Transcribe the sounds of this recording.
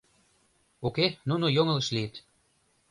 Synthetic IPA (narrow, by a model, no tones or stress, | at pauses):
okenunojoŋə̆ləʃliət̪